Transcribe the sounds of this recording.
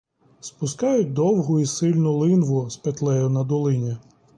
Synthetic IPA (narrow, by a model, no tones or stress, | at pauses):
spʊskɑjʊt̚ʲd̪ɔwɦʊisɪlʲnʊlˠɪnʋʊspet̪lˠɛjʊnɐd̪ɔlˠɪnʲɛ